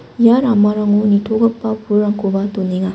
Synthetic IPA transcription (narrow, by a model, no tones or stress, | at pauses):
jaɾamaɾaŋunitʰoɡɐpːapʰuɾaŋkʰobatoniŋa